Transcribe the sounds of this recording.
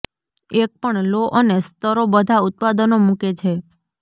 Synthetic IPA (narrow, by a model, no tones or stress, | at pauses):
ek̚pəɳloʔənest̪əɾobəd̪ʱaut̪̚pad̪ənomũket͡ʃʰe